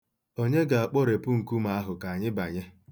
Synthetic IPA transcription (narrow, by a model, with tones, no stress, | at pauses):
o˦ɲe˦ɡa˨a˨k͡pɔ˦ɾe˨pʊ˦ŋ̩˨ku˦ma˨a˦ɦʊ˨ka˨a˨ɲɪ˦ba˨ɲɪ˦